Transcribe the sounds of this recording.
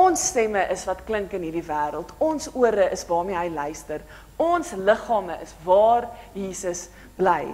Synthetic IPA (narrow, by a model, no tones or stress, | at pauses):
ɔnsːtɛməʔəsvɐtkləŋkənɦiːrdivæːɾəlˠtɔnsuəɾəəsvɑːrmiəɦəjlœɥstər | ɔnsləχɑːməʔəsvɑːrjiːsəs | b̥lɛj